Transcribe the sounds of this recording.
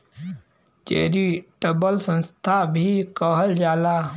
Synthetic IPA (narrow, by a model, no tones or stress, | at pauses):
t͡ʃḛːɾiʈəbəlsə̃nst̪ʰabʱikəɦəld͡ʒaːlaː